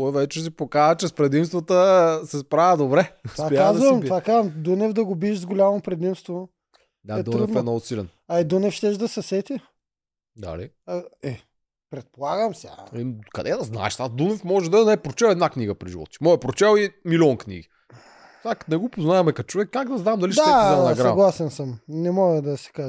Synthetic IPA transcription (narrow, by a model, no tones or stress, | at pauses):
ɔjvɛt͡ʃɛs̬ipokanət͡ʃɛspɾɛd̪imst̪vət̪əsɛspɾavɐd̪obɾɛapakaazvɐmt̪vakazɐmd̪unɛvd̪ɐɡobiːʃzɡolʲamopɾɛd̪imst̪vo | d̪aɛd̪unɾɛfɛnɔɡʊsilɛ̰n | ɐid̪unɛfʃt̪ɛʃd̪ɐsɐsɛt̪ʲi | d̪a̰lḭ | ɛ | pɾɛt̪̚polˠaɡəmsʲa̰kɐd̪ɛd̪ɐzna̰ɛ̰ʃt̪ad̪unɛfmɔʒɛd̪ɐnɛɛpɾot͡ʃɛlɛd̪nakniɡəpɾiʒivɔ̰t̪t͡ʃimɔjɛpɾot͡ʃɛlˠimilʲiɔnknḭɡi | saknɛɡopoznaɛmɛkɐt̪̚t͡ʃovɛkːaɡd̪ɐznamd̪ɐliʃd̪taɛɛnɐsɡɾaɐɡlˠasɛnsəmnɛmɔɡəd̪ɐsɛ̥kaʒ